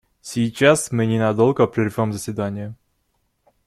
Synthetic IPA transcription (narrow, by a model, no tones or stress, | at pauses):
sʲɪjt͡ɕasmɨnʲɪnɐd̪o̞lˠɡəpɾʲɪrvʲo̞mzəsʲvʲɪd̪anʲɪjə